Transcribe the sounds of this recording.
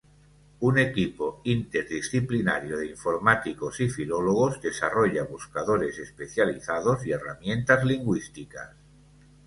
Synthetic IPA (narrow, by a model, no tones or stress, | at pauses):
une̞kipoint̪e̞ɾðisθiplinaɾjoðeiɱfo̞ɾmat̪ikosifiloloɣ̞ozd̪e̞saroʎaβuskaðoɾe̞se̞spe̞θjaliθaðozie̞ra̰mjẽ̞nt̪azliŋɡwist̪ika̰s